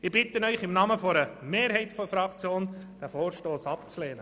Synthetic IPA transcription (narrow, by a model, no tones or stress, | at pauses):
ɪbɪtənœʏχɪmnɑməfɔɾəmeːɾɦɛɪtfɔfɾɑkt͡sjoːn | d̥æfoːɾʃtoːsɑp̚t͡slɛːnə